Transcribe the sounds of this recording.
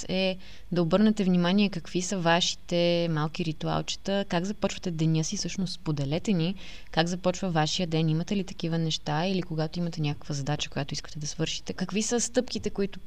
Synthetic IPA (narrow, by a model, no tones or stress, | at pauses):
ɛ | d̪ɐobɤɾnɛt̪ɛvnimaniɛkɐkvisəvaʃi̥t̪ɛmalˠk̟iɾit̪ua̰lˠt͡ʃɛ̥t̪əkaɡzɐpɔt͡ʃvət̪ɛd̪ɛnʲɤsifsɤʃnost̪spod̪ɛlɛt̪ɛni | kaɡzɐpɔt͡ʃvəvaʃijəd̪ɛnimət̪ɛlit̪ɐ̥k̟ivənɛʃt̪ailikoɡat̪oimɐt̪ɛnʲakə̥kvəzɐd̪at͡ʃə̥kojat̪ʊiskə̥t̪ɛd̪ɐsvɤɾʃi̥t̪ɛkɐkvisəst̪ɤpkit̪ɛkʊit̪ʊ